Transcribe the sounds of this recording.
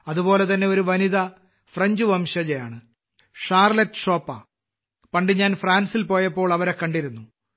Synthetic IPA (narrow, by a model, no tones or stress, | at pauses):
ɐðubo̞ːle̞t̪ɐnːe̞o̞ɾuʋɐniðɐ | freɲd͡ʑuʋɐmɕɐd͡ʑɐjaːɳɨ | ʂaːrletːɨ̥ʂo̞ːpːɐ | pɐɳɖiɲaːnfraːnsilpo̞ːjɐpːo̞ːɭɐʋɐɾekːɐɳɖiɾunːu